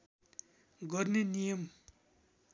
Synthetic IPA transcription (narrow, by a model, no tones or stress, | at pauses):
ɡorniɲijəm